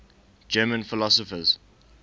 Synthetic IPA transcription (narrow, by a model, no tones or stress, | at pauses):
d͡ʒɛːmə̃nfɪlɔsɔfəz̥